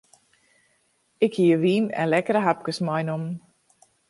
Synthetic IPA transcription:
ɪkhiəʋiːnɛ̰nlɛkəɾəɦap̚kəsmɔjnomn

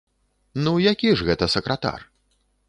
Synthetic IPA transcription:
nujakʲiʐɣɛt̪ɐsɐkɾɐt̪a̰r

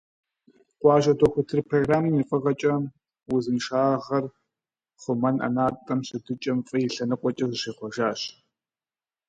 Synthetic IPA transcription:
qʷɑːʒɐdʰoxʷʊtʰɨrpʰroːɡraːmɐmifʼɐʁɐt͡ʃʼɐ | wʊzɨnʃaːʁɐχɐr | χʷʊmɐnɐ̰naːtʼɐmɕɨdʰɨt͡ʃʼɐmfʼɐjɪɬɐnɨqʷʼɔt͡ʃʼɐzɨʃeːχʷɔʒaːɕ

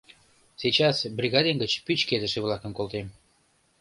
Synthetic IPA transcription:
set͡ɕɑsbrʲiɣɑd̪enɡət͡ɕpyt͡ɕked̪ə̆ʃĕβlˠɑkəmkolˠt̪em

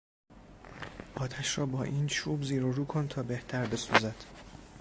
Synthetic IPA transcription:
ʔɒːt̪ʰæʃrɒːbɒːʔiːnt͡ʃʰuːbziːɾoɾuːkʰont̪ʰɒːbe̞ht̪ʰæɾbe̞suːzæd̪̥

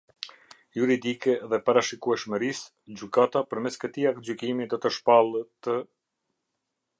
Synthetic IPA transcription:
juɾid̪ikɛðɛpaɾaʃikuɛʃməɾis | d͡ʑykat̪apəɾmɛskət̪iak̚t̪̚d͡ʑykimid̪ɔt̪əʃpalˠət̪ə

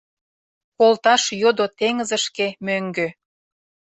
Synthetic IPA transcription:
kolt̪ɑʃjod̪ot̪eŋəzə̆ʃkemøŋɡø

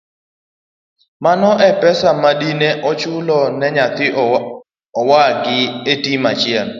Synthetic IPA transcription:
manɔʔɛpɛsamaɗineʔɔt͡ʃʊlɔnɛɲat̪ɪ | ɔwaɡɪetimat͡ʃɪɛn

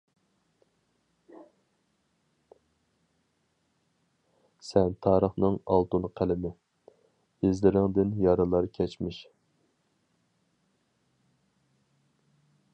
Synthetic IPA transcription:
sɛnt̪ʰɑːɾəχnɨŋɑ̰lˠt̪unqʰælɪmɪ | ɪzlɪɾɪŋd̪ɪnjɑɾɨlˠɑɾkʲʰɛt͡ʃmɪʃ

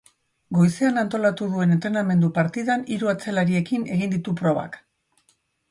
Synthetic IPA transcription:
ɡo̞jse̞anant̪o̞lat̪uð̞ue̞ne̞nt̪ɾe̞name̞nd̪upaɾt̪iðaniɾuat͡selaɾie̞kine̞ɣ̞ind̪it̪upɾo̞β̞a̰k

